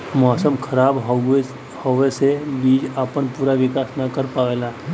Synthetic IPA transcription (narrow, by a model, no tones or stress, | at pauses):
mɔːsəmkʰɐɾaːb | hɔʋesebiːd͡ʒaːpənpuːɾaʋɪkaːsnɐkəɾpaːʋɛla